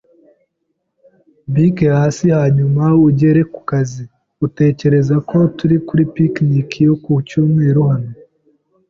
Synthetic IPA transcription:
bikehaːsihaːɲumauɟe̞ɾe̞ku̥kazi | ute̞ːce̞ɾe̞zako̞tuɾikuɾipiknikijokucuːmŋe̞ːɾuhane

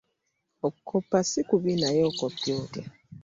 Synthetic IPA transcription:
okʰːopːasikuβinajoːkopioːke

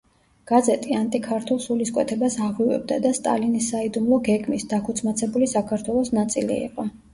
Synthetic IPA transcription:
ɡ̥azɛt̪ʼiant̪ʼikʰaɾt̪ʰulˠsuliskʼwɛ̰t̪ʰɛbasaʁwivɛ̰b̚d̪ad̪ast̪ʼa̰linisːaid̪umlˠɔɡɛɡmisd̪akʰut̪sʰmat̪sʰɛbulisakʰaɾt̪ʰwɛlˠɔsnat̪sʼilḭḭqʼɔ

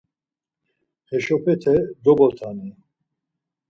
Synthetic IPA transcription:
hɛʃɔpʰɛt̪ʰɛd̪ɔbɔt̪ʰanɛ

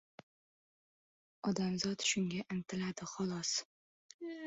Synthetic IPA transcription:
ɒd̪amzɒt̪ʃʊŋɡʲaʔɪnt̪ʰɪlad̪ɪχɒlˠɒs

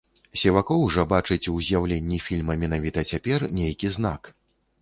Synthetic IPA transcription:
sʲɛvakɔwʐɐbat͡ʂɨt͡sʲuzʲjawlʲenʲːifʲilʲmɐmʲɛn̪avʲit̪ɐt͡sʲapʲɛrnʲejkʲizna̰k

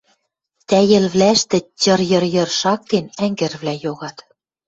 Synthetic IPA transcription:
t̪æjɘ̆lβlæʃt̪ɘ̆t͡ɕɤ̆rjɤ̆rjɤ̆rʃɑk̚t̪enæŋɡɘ̆rβlæjoɣɑt̪

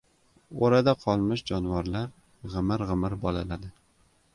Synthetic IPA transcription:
oɾad̪aqʰɒlˠmɪʃd͡ʒɒnwaɾlaɾ | ʁɨmɪɾʁɨmɪɾbɒlalad̪ɪ

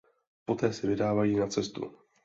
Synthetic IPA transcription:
po̞t̪ɛːsɪvɪdaːvajiːnat͡sɛst̪ṵ

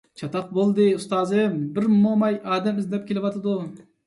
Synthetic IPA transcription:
t͡ʃʰɑt̪ɑq̚bolˠd̪ɨust̪ɑːzɨbɪɾmomɑjɑːd̪ɛmɪzlɛp̚kʲʰelɪvɑt̪ʰɨd̪u

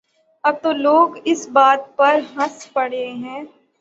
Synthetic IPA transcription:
ɐb̚t̪oloːɡɪsbaːt̪̚pɐɾɦɐspɐɽ̤eɦɛ̃ː

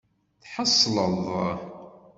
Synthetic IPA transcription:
θħəsˤːləðˤ

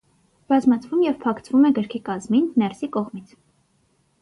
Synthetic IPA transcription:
b̥ɑzmɑt͡sʰvumjɛvpʰɑkʰt͡svumɛɡəɾkʰikɑzminːɛɾsikɔʁmit͡sʰ

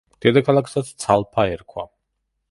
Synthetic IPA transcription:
d̪̥ɛd̪akʰalˠakʰsat̪st̪sʰalˠpʰaɛɾkʰwa

